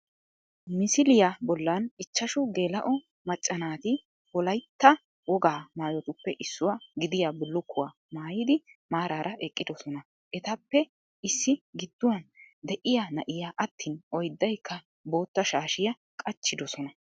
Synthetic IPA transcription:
mɪsɪlɪjabɔlːɐnɪt͡ʃːɐʃʊɡe̞ːlɐʔɔ | mɐt͡ʃʼːɐnaːt̪ɪ | wɔlɐjt̪ːɐ | wɔɡaːmaːjɔt̪ʊpːɛʔɪsːʊwaɡɪd̪ɪjaːbʊlːʊkːʊwaː | maːjɪd̪ɪmaːɾaːɾʔɐʔɛkʼːɪd̪ɔsɔnɐ | ʔɛt̪ɐpːɛ | ɪsːɪɡɪd̪̥ːʊwɐnd̪ɛʔɪjanɐʔɪjaːʔɐt̪ːiːnɔjd̪ːɐjkʰːɐ | bo̞ːt̪ːɐʃaːʃɪjɐ | kʼɐt͡ʃːɪd̪ɔsɔnɐ

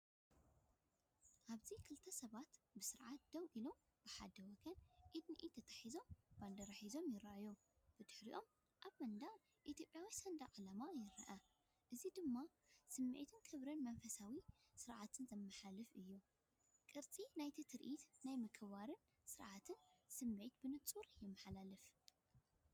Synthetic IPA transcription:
ʔaβzikʰɨlt̪ʰɐsɐβat̪bɨsɨɾʕat̪̚d̪̥ɐwʔilo̞m | b̥ɨħad̪ɐwɐɡɐnʕid̪nɨʔit̪ʰɐt̪ʰɐ̥ħizo̞mb̥and̪ɐɾaħizo̞mjɪɾɐʔjo | b̥ɨd̪ɨħɾiʔo̞m | ʔaβmɐnd̪a | ʔit̪ʰjo̞pʼjawisɐnd̪aʔʼalamajɪɾɐ̰ʔɐ | ʔɨzid̪ɨmːa | sɨmːʔt̪ʰɨnkʰɨβɾɐnmɐnfɐsawisɨɾʕat̪ʰɨnzɐmːɐħalɨfɨjːu | kʼɨɾt͡sʼinajt̪ʰɨt̪ʰɨɾʔit̪najmɐkʰβaɾɨn | sɨɾʕat̪ʰɨnsɨmːet̪bɨnɨt͡sʼuɾjɛmːɐħalalɨf

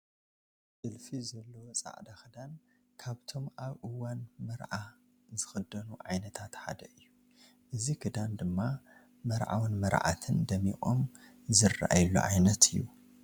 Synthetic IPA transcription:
sɨlfizɐlːɐwt͡sʼa̰ʕd̪axɨd̪an | kʰaβt̪ʰo̞maβʔɨwanmɐɾʕa | zɨxɨd̪ɐnuʕajnɐt̪ʰat̪ħa̰d̪ɐʔɨjːu | ʔɨzikʰɨd̪and̪ɨmːa | mɐɾʕa̰wnmɐɾʕa̰t̪ʰɨnd̪ɐmiχʼo̰m | zɨra̰ʔa̰jlːṵʕajnɐt̪ʰɨjːu

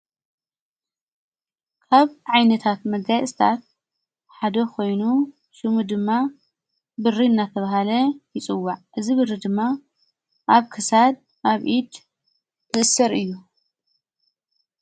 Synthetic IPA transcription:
kʰaβʕajnɐt̪ʰat̪mɐɡajst̪ʰa̰t̪̚ | ħad̪ɐkʰo̞jnu | ʃɨmud̪ɨmːa | bɨrinːat̪ʰɐβaɦalɐjɪt͡sʼɨwːaʕʔɨziβɨrːid̪ɨmːa | ʔaβkʰɨsad̪̚ | ʔaβʔid̪ | t̪ɨʔɨsɐɾɨjːu

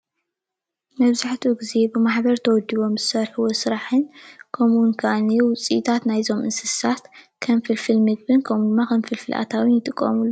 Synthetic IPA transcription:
mɐβzaħt̪ʰuɡize̞bɨmaħbɐɾt̪ʰɐwɔd̪iβo̞mzɨsɐɾħuwosɨɾaħɨnkʰomunkʰanewʊt͡sʼḭʔt̪ʰat̪najzo̞mʔɨnsɨsat̪ | kʰɐnfɨlfɨlmɨɡ̚bɨnkʰɐmud̪ɨmːakʰɐnfɨlfɨlʔa̰t̪ʰawinjɪt̪ʼɨkʼːɐ̰mulːo

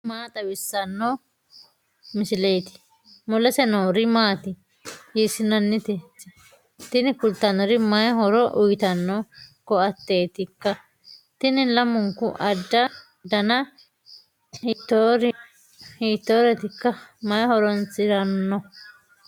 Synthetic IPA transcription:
maːt̪ɐbɪsːɐnːo | mɪsɪlejt̪ɪ̥ | mɔlɐsɛnoːɾɪmaːt̪ɪ | jiːsɪnɐnːɪt̪ɛtːɪ | t̪ɪnɪkʊlt̪ːɐnɔɾɪmɐjɦɔɾɔʔʊjt̪ɐnːɔkɔɐt̪ːe̞ːt̪ɪkːɐ | t̪ɪnɪlɐmʊŋkʊ̰ʔɐdːɐ | d̪ɐnɐ | hit̪ːoɾ | hiːt̪ːoːɾɛt̪ɪkːɐmɐjhɔɾɔnsɪɾɐnːɔ

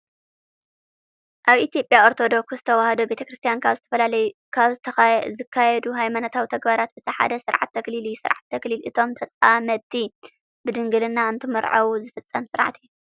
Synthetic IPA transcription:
ʔaβʔit̪jo̞pʼːjao̞ɾt̪ʰo̞d̪o̞kszɨt̪ʰɐwahɐd̪obe̞t̪ʰɐkɾɨst̪ʰjankʰaβzɨt̪ʰɐfɐlalɐju | kʰaβzɨɐzɨkʰːajɛd̪uɦajmanot̪ʰawit̪ʰɐɡbaɾat̪̚bɨt̪ʰɐħa̰d̪ɐsɨɾʕa̰t̪ʰːɐklilɨjːusɨ̰ɾʕa̰t̪ʰːɐklilɨt̪ʰo̞mt̪ʰɐt͡sʼamɐt̪ʰi | bɨd̪ɨŋɡɨlɨnːaɨnt̪ʰɨmɐɾʕɐ̰wuzɨfɨt͡sʼːɐmsɨɾʕa̰t̪ʰijːu

